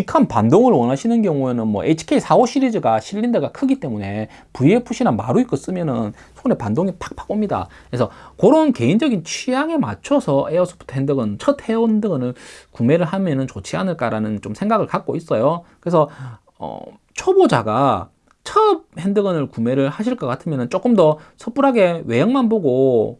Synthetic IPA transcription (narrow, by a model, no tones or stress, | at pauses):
t͡ɕikʰanpandoŋɯɭwʌnɦaɕʰinɯnkjʌŋue̞nɯnmwʌ̰ʔet͡ɕʰi̥kʰeisʰaoɕʰiɾid͡ʑɯɡaɕʰiʎːindɯɡakʰɯɡit͈e̞mune̞ | puiepʰuɕʰinamaɾuik͈ʌs͈ɯmjʌnɯn | sʰounepandoŋipḁk̚pʰḁk͈omɲida̰kesʰʌkoɾonke̞ind͡ʑʌɡint͡ɕʰijaŋe̞ma̰t͡ɕʰʌsʰʌʔeʌsʰɯ̥bu̥tʰohʰendɯɡɯnt͡ɕʰʌt̚heondɯɡɯnɯɭkume̞ɾɯɭɦamjʌnɯnt͡ɕot͡ɕʰianɯɭk͈aɾanɯnt͡ɕomsʰe̞ŋɡaɡɯɭkak̚k͈ois͈ʌjokɯɾesʰʌ | ʌ̰ | t͡ɕʰobod͡ʑa̰ɡa̰ | t͡ɕʰʌb̚hendɯɡɯnɯɭkume̞ɾɯɭhaɕ̬ʰiɭk͈ʌk͈atʰɯmjʌnɯnt͡ɕ͈ok͈ɯmdʌsʰʌp͈uɾɦaɡe̞we̞jʌŋmanboɡo